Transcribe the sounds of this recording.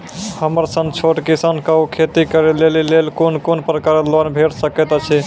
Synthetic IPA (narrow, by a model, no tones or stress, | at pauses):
həməɾsə̃ŋɡt͡ʃʰoʈkisankəukʰet̪ikəɾelelilelkonkonpɾəkaɾəlonbʱeɽsəkɛt̪t͡ʃʰi